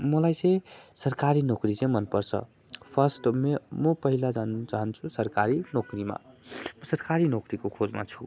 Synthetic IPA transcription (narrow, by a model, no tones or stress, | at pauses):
mʌlajt͡sʌ̃j̃sʌrkaɾinokrit͡sʌ̃j̃mʌnpʌrt͡sʰʌ̰ | pʰʌsʈmemʌpʌɦilad͡zant͡saɦʌnt͡sʰusʌrkaɾinokrima̰mʌsʌrkaɾinokɾikokʰod͡zma̰t͡sʰu̥